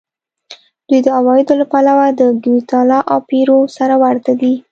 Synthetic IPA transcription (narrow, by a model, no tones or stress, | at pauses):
d̪̥wujd̪əawɑjɪd̪olapalawad̪əɡwit̪ɑlɑʔawpeɾosaɾawaɾt̪ad̪i